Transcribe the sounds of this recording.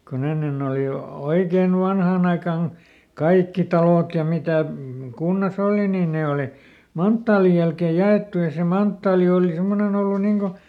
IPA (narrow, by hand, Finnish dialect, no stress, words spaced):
kon enːen oˑli o oikein ʋɑnhɑˑn ɑikɑn kɑikːi tɑloˑt jɑ mitæˑ kunːɑs oˑli niː neˑ oˑli mɑntːɑːlij jælkeˑj̆ jɑeˑtːu jɑ se mɑntːɑːli oːli semːonen olːu niŋ ko